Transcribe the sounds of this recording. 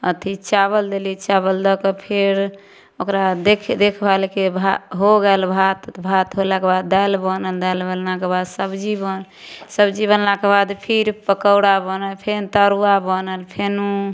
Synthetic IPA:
ə̰t̪ʰit͡ʃaβəld̪elit͡ʃaβəld̪əkəpʰeɾ | okɾad̪ekʰd̪ekʰbʱalkebʱaɦoɡɛlbʱat̪bʱat̪ɦolakebad̪ːajlbənəld̪albəllakebad̪səbd͡ʒibən | səbd͡ʒibənlakebad̪pʰiɾpəkəʊɽabənəlpʰent̪əɾuabənəlpʰenu

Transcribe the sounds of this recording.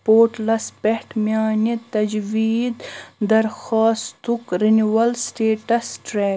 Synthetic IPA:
poːɾʈlɐspehʈmʲjɑːnit̪ɐd͡ʒwiːd̪d̪ɐɾxɑːst̪ukɾiniwɐlsʈeːʈɐsʈɾeː

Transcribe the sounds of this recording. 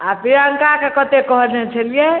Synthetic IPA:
apiɾəŋkakekət̪ekəɦɾnɛt͡ʃʰəlije

